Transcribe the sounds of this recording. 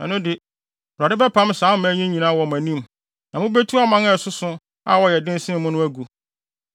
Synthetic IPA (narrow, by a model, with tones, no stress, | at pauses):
ɛ̰̃˨nʊ̃˦dɪ˨ | ba˨dɪ˦bɛ˦pʰã˦m˦sãː˨˦m̩˦mæ̃˨˦ɲĩ˦ɲĩ˨nã˦wɔ˨m˨æ̃˨nĩ˦m | nã˨mʊ̃˦be˦tʰu˦a˦mã˦ŋɛ˦˨sʊ˦sʊ̃˦ | a̰˨wɔ˦jɛ˨dɪ̃˦n˦sɪ̃˦mʊ̃˦nʊ̃˦æ˦ɡu˨